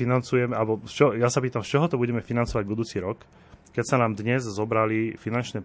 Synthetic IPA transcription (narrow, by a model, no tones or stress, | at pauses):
inant͡sujɛmɛalɛbɔst͡ʃɔjasapiːt̪amst͡ʃɔɦɔt̪ɔbuɟɛmɛfinant͡sɔʋaɟbud̪uːt͡siɾɔk | kːɛcsanaːmd̪ɲɛzzɔbɾalifinant͡ʃnɛ